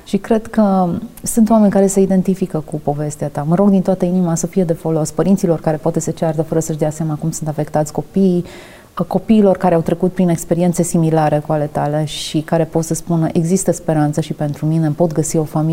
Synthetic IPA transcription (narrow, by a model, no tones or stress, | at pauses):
ʃikɾe̞d̪kəsunt̪oame̞nʲkaɾe̞səid̪e̞nt̪ifikəkupo̞ve̞st̪eat̪aməɾo̞ɡd̪int̪oat̪əinimasəfije̞d̪e̞fo̞lo̞spəɾint̪silo̞rkaɾe̞poat̪eset͡ʃeaɾd̪əfəɾəsəʃd̪easeamakumsunt̪afe̞kt̪at̪sʲko̞pii | ko̞piːlo̞rkaɾeawt̪ɾe̞kut̪̚pɾine̞kspe̞ɾie̞nt̪sesimilaɾekuale̞t̪ale̞ʃikaɾe̞po̞t̪səspunəʔe̞ɡzist̪əspe̞ɾant̪səʃipe̞nt̪ɾumine̞po̞t̪ɡəsio̞fami